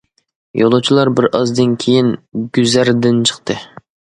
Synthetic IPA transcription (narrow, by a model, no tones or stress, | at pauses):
jo̰lˠot͡ʃʰilˠɑɾbɪɾʔɑzd̪ɨnkʲʰejinɡʲyzæɾd̪ɪnt͡ʃʰə̥qt̪ʰɨ